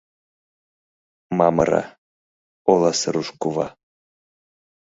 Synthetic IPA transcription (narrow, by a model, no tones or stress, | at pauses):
mɑmə̰ɾɑ̰ | olˠɑsəɾuʃkuvɑ̰